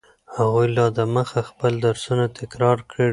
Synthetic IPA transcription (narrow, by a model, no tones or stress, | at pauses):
haɣujlɑd̪əməxaxpəld̪aɾsunat̪ɪkɾɑɾkɽə